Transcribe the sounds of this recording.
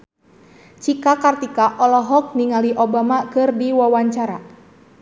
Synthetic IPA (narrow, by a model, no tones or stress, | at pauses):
t͡ʃikakart̪ikaʔɔlɔɦɔk̚niŋaliʔobamakɨrdiwawaɲt͡ʃaɾa